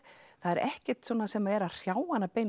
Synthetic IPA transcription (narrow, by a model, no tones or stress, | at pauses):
θaðɛɾɛhcɛɾ̥t̪svɔːnasɛmaɛɾaðr̥jaːwanapeːjn